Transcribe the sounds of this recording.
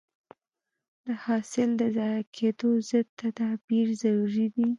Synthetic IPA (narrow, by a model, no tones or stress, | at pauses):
d̪̥əhɑsɪld̪əzɑjakʰed̪ozəd̪̚t̪ad̪ɑbiɾzaɾuɾid̪i